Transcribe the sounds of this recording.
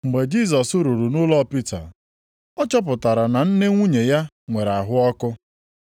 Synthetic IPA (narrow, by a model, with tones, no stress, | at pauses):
ŋ͡m̩˨ɡ͡be˨d͡ʒi˦˨s̬ɔ˨sʊ˦ɾu˨ɾu˨nʊ˦lɔ˦˨pi˦ta̰˨ | ɔ˦t͡ʃɔ˦p̬ʊ˨ta˨ɾa˨na˨n̩˦ne˦ŋʷu˦ɲe˨ja˦ | ŋʷe˨ɾa˨ɦʊ˦ɔ˦kʊ˦